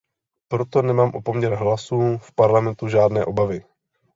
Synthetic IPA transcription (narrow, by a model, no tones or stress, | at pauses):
pɾot̪onɛmaːmʔopo̞mɲɛɾɦlasuːfpaɾlamɛnt̪uʒaːdnɛːʔobavɪ